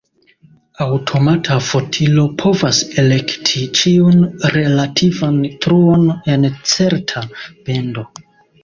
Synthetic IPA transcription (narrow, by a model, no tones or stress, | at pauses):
awtʰo̞matʰafo̞tʰilo̞pʰo̞vase̞le̞ktʰit͡ʃiunɾe̞latʰivantɾuone̞nt͡se̞ɾtʰabe̞ndo̞